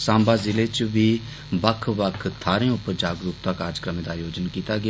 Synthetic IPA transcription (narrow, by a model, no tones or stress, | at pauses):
sãːmbaːzɪleːt͡ʃʋiː | bəkʰbəkʰt̪ʰaːɾẽːʊpːəɾd͡ʒaːɡɾuːp̚t̪aːkaːɾd͡ʒəkɾəmẽːd̪aːjoːd͡ʒənkiːt̪aːɡɪ